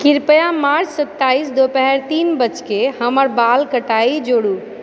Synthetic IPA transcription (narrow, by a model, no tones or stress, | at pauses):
kiɾpəjamaɾt͡ʃsət̪ːaisd̪opɛɦɛɾt̪iːnbət͡ʃkehəməɾbalkəʈaid͡ʒoɽu